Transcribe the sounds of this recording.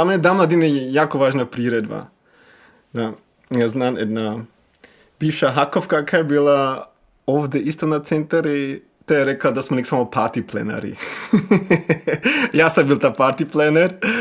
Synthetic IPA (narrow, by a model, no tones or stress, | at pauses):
amɛnɛd̪amlˠad̪inɛjɛjakoʋaʒnapɾiɾɛd̪ba̰ | d̪a | jaznamɛ̰d̪na | b̥ifʃaɦakofkakʰajebilˠa | ovd̪ɛist̪onat̪sɛnt̪aɾi | t̪ojɛɾɛklˠad̪asmonɛksamopaɾt̪iplɛ̰na̰ɾḭ | jasambilˠt̪apaɾt̪iplɛnɛɾ